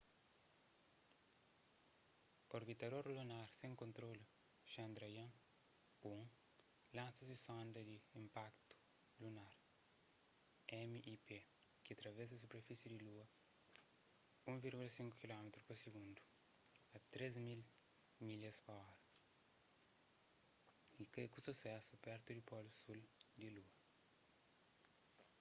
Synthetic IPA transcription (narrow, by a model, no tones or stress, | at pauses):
oɾbit̪ɐd̪oɾlunaɾsẽŋkõnt̪ɾolu | ʃɐ̃nd̪ɾɐjɐ̃ | ũŋ | lãnsɐsisõnd̪ɐd̪iĩmpakt̪u̥ | lunaɾ | ɛmiʔipe | kiat̪ɾɐvɛs̬ɐsupeɾfisjud̪iluɐ | ũviɾɡulɐsĩŋkukilɔmet̪ɾupɐsiɡũnd̪u | ɐt̪ɾezmil | milɐspɐɔɾɐ | ikekususɛsupɛɾt̪ud̪ipɔlusuld̪iluɐ